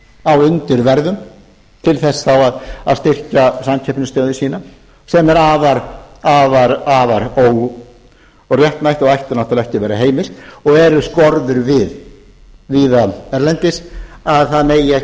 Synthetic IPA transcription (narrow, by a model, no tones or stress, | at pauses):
awʏnt̪ɪɾvɛɾðʏm | t̪ʰɪlθɛsːθawaða̰ðst̪ɪr̥casancʰɛhpnɪst̪œːðʏsiːna | sɛmɛɾaːvaɾavaɾaːvaɾoːwɣ | ɔɣrjɛht̪najht̪ɔɣajht̪ʏnaht̪alɛhcɪvɛːɾaɦeːjmɪst̪ɔɣɛɾʏskɔɾðʏɾvɪð | viːðaɛɾlɛnt̪ɪsaðθaðneːja